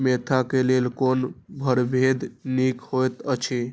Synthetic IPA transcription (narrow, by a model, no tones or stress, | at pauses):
met̪ʰakelelkonbʱəɾbʱed̪nikhojt̪ət͡ʃʰe